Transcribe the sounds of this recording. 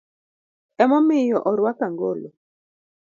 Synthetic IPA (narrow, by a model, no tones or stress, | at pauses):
ɛmɔmɪjɔʔɔɾwakaŋɡo̰lo